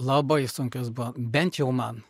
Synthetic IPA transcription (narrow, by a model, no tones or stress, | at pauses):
lˠɐbɐɪsʊŋʲkʲʊsbuʋɐbʲɛnʲt̪jɛʊmɐn